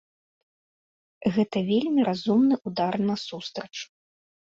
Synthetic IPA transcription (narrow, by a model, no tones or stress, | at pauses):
ɣɛt̪ɐvʲelʲmʲiɾazumnɨʔud̪arnɐsust̪ɾɐt͡ʂu̥